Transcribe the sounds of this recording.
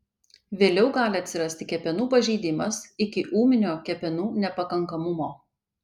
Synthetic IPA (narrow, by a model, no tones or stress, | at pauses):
ʋʲeːlʲɛʊɡɑːlʲɪɐt̪ʲsʲɪɾɐsʲt̪ʲɪkʲɛpʲɛnuːpɐʒʲɛɪd̪ʲɪmɐsɪkʲɪʔuːmʲɪnʲoːkʲɛpʲɛnuːnʲɛpɐkɐŋkɐmʊmoː